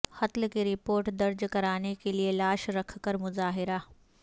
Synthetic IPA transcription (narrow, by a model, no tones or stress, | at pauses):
xɐt̪lkeɾɪpoːɾʈd̪ɐɾd͡ʑkɐɾaːnekelielaːʃɾɐkʰkəɾmʊzaːɦɪɾa